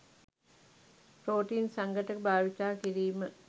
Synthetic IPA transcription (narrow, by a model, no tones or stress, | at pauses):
pɾoːʈiːnsaŋɡəʈəbʱaːʋit̪aːkiɾiːmə